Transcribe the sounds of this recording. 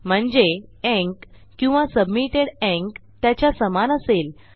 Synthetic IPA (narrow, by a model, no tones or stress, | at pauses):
m̤əɳd͡zeɛ̃ŋkː | ĩw̃ʋasəbmiʈeɽɛ̃ŋkt̪jat͡ɕjasəmanəsel